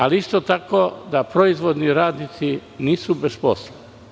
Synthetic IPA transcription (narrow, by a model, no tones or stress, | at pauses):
aliist̪ot̪ako̞d̪apɾoizʋo̞d̪niɾaːd̪nit̪siniːsubespo̰sloi